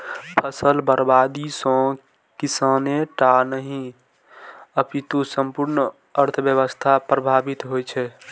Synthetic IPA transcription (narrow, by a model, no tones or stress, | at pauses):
pʰəsəlbəɾbad̪isɔ̃ | kisanẽʈanəɦĩ | əpit̪osəmpuɾn | əɾt̪ʰəbjəβəst̪ʰapɾəbʱabit̪ɦojt͡ʃʰɛ